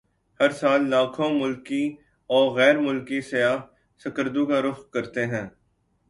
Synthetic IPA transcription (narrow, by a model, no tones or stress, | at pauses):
hɐɾsaːlːaːkʰõmʊlki | ɔːɾɣɛːɾmʊlkisɐjaːɦ | sɐkəɾd̪ũkaɾʊfqkɐɾt̪eɦɛ̃ː